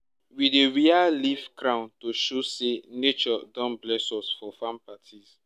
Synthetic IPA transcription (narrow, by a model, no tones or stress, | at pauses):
wideɹialivkɾãw̃ntoʃosenet͡ʃɔdɔ̃nblɛsɔsfɔfãmpatʰiz